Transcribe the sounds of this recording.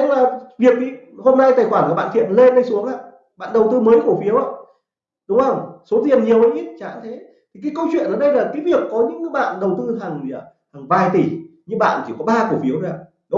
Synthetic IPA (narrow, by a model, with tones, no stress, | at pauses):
ɲa˧ŋlaː˨˩vi˨˩ək̚t̪ʰi˧˩ho˧mna˧jt̪aː˨˩jxwaː˧˩nku˧˩ɓa̰ː˧˨t̪ḭ˧˨ənle˧nɗə˧jsu˨˦əŋaː˧˨ | ɓa̰ː˧˨nɗə˨˩wt̪ɨ˧məː˨˦jku˧˩əfi˨˦əwʔaː˧˦ | ɗʊ˨˦ŋ͡mvə˧˩wŋ͡mso˨˦t̪i˨˩ənɲi˨˩əwʔə˨˦jɲi˦˥t͡ɕa̰ː˧˨˥nt̪ʰe˨˦ | t̪ʰi˨˩k̬aː˨˦jkə˧wt͡ɕwḭ˧˨nəː˧˩ɗə˧jlaː˨˩kaː˨˦jvi˨˩əkːɔ˨˦ɲɨ̰˧˥ŋ˨˦ɓa̰ː˧˨nɗə˨˩wt̪ɨ˧ɦa˨˩ŋː˨˩ | ha˨˩ŋvaː˨˩jt̪i˧˩ɲɨ˧˥ɓa̰ː˧˨nt͡ɕi˧˩kɔ˨˦ɓaː˧ku˧˩əfi˨˦əwzaː˨˩ | ɗ